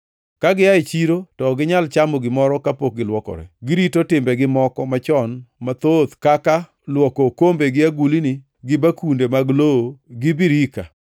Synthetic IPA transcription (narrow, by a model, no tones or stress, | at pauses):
kaɡɪaet͡ʃiɾotɔɡɪɲalt͡ʃamɔɡɪmɔɾɔkapok̚ɡɪlwɔkɔ̰ɾɛ̰ɡɪɾitotɪmbɛɡɪmɔkɔmat͡ʃɔnmat̪ot̪kaka | lwɔkokombeɡɪaɡulinɪ | ɡɪbakundemaɡlooɡɪbiɾika